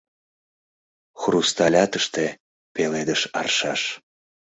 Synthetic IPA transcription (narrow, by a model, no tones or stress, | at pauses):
xrust̪ɑlʲɑt̪əʃt̪e | peled̪əʃɑ̰rʃɑʃ